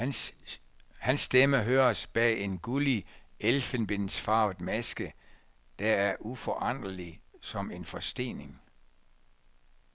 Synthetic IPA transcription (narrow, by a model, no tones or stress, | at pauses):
hænsːd̥eməɦøːɐsb̥ɛ̰ːe̝nɡ̥ulielfenb̥e̝nsfɑ̈ːdˠmæsɡ̥ə | d̥ææɐʔufɒʔɑn̰d̥ɐlisɒ̽me̝nfɒ̽sd̥e̝̰ːne̝ŋ